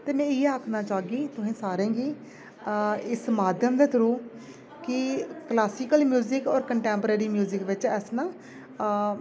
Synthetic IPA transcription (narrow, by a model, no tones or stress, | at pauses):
t̪eːmɛ̃ːɪeaːkʰnãːt͡ʃaːɡiːt̪ʊsĩːsaːɾẽːɡiː | ɪsmaːd̪jəmd̪eːt̪əɾuː | kɪklaːsiːkəlmjuːzɪkɔːɾkəɳʈɛːmpəɾeːɾiːmjuːzɪkʋɪt͡ʃɛːsnaː